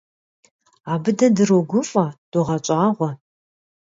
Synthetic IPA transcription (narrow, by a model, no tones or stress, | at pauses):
aːbɨdɐdɨroɡʷʊfʼɐd̥oʁɐt͡ʃʼaːʁʷɔ